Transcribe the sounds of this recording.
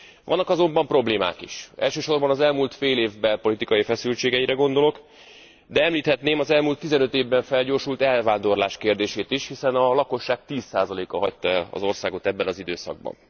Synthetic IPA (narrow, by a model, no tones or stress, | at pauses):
vɒ̰nːɒkɒzo̞mbɒmpro̞bleːma̰ːkḭʃɛ̰lʃøːʃo̞rbɒnɒzɛlmuːlt̪feːleːvbɛlpo̞lit̪ikɒjifɛsylt͡ʃeːɡɛiɾɛɡo̞nd̪o̞lo̞k | d̪ɛɛmliːt̪hɛt̪neːmɒzɛlmult̪ːizɛnø̞t̪eːvbɛɱfɛlɟoːrʃult̪ɛlvaːnd̪o̞rlaːʃkeːrd̪eːʃeːt̪iʃhisɛnɒlɒko̞ʃːaːk̚t̪iːsaːzɒleːkɒɦɒct̪ɒɛlɒ̰zo̞rsaːɡo̞t̪ɛbːɛnɒzid̪øːsɒ̰ɡ̚bɒ̰n